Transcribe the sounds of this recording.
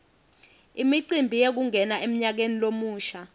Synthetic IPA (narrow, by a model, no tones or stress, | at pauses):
imiǀimbʱijek̬uŋʱɛnaʔem̩ɲak̬enilomuːʃa